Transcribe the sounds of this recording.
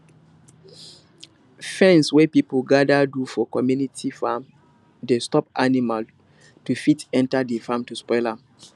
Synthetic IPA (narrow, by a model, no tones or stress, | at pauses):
fɛ̃nswɛpipəlɡadadufɔkɔmjunitʰifam | destɔp̚animal | tufitɛ̃ntadefamtuspɔɪlam